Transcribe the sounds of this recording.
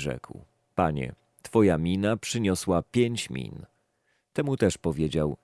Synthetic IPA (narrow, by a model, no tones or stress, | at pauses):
ʐɛ̰kw | paɲɛ̰ | t̪fɔjamʲinapʂɘɲɔswapʲjeɲt͡ɕmʲḭn | t̪ɛmut̪ɛʂpɔvʲjed͡ʑaw